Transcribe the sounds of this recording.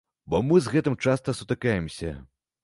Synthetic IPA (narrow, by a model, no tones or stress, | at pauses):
bɔmɨzɣɛt̪ɨmt͡ʂast̪ɐsut̪ɨkajɛmsʲɐ̰